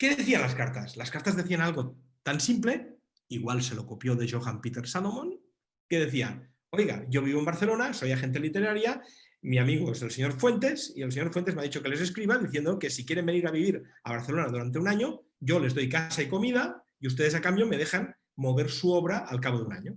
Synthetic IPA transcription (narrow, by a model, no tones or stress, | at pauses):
ke̞ðeeθianlaskaɾt̪aslaskaɾt̪azðe̞θianalɣo̞ | t̪ansimple̞ | iɣwalse̞lo̞ko̞pjo̞ðe̞ʒoɣampit̪e̞ɾsalomon | ke̞ð̞e̞θia | o̞jɣa̰ʝo̞β̞iβoembaɾθe̞lo̞naso̞jaxe̞nt̪elit̪e̞ɾaɾja | miamiɣozelseɲo̞ɾfwe̞nt̪e̞sielseɲo̞ɾfwent̪̬emeaðit͡ʃo̞kele̞s̬eskɾiβaðiθjend̪oke̞sikje̞ɾe̞mbeniɾaβiβiɾa̰β̞aɾθelo̞naðuɾant̪̬e̞unaɲo̞ | ɟ͡ʝo̞le̞zðo̞jkasaiko̞miða | iust̪e̞ð̞e̞sakambjo̞me̞ðexan | mo̞βe̞ɾsuoβɾaʔalkaβoðuna̰ɲo